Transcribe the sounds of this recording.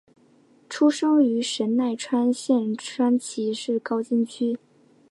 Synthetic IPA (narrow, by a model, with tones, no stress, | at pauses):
ʈ͡ʂʰu˥ʂɤ˥ŋy˧˥ʂə˧˥nna˥˩ɪʈ͡ʂʰwa˥nɕjɛ˥˧nʈ͡ʂʰwa˥nt͡ɕʰi˧˥ʂɻ̩˥˩kɑ˥ʊt͡ɕi˥nt͡ɕʰy˥